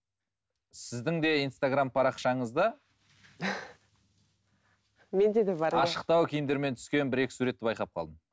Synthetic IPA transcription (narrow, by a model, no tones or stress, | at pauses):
sɪzd̪ɪŋd̪e̞ijnst̪aɡrampʰɑɾɑqʃɑɴəzd̪ə | mend̪ed̪ebɑɾɑʃə̥q̚t̪ɑwkʲʰejɪmd̪e̞ɾme̞nt̪ʰʏ̥skʲe̞nbɪɾe̞kʲɪ̥suɾe̞t̪ːɪbɑjqɑp̚qʰɑ̰lˠd̪əm